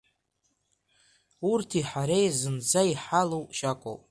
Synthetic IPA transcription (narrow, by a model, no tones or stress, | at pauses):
urtʰiħaɾejzɨnd͡zaiħalowʃakʷʼo̰wpʼ